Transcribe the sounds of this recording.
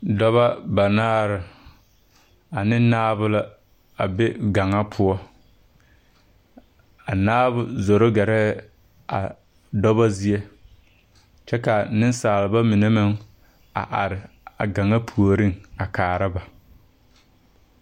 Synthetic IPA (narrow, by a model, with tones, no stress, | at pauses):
dɔ˦βa˦ba˨naː˦ɾɪ˨ | a˨nɪ˦naː˦βʊ˦la˦ | a˨be˦ɡa˨ŋa˦pʰʊ˦ɔ˦ | a˨naː˦bʊ˦zo˨ɾo˦ɡɛ˨ɾɛ˦ | a̰˨ | dɔ˦βa˦zi˦e˦ | t͡ʃɛ˦ka˨nɪ˦n˦saː˨lɪ˨ba˦mi˨ne˦mɪ˦ŋ | a̰˨ʔa̰˨ɾɪ˨ | a˨ɡa˨ŋa˦pʰu˨o˨ɾi˦ŋa˨kaː˨ɾa˦ba˨